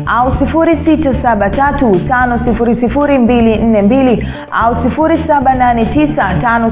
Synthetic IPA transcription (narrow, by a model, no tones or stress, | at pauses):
ʔausifuɾisitasaɓatatutanɔsifuɾisifuɾimbilin̩nɛmbili | a̰usifuɾisaɓananɛtisatanɔ